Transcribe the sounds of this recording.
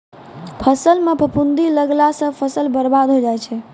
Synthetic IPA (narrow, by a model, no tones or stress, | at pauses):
pʰəsəlmepəpund̪iləɡlasə̃pʰəsəlbəɾbad̪ɦod͡ʒajt͡ʃʰɛ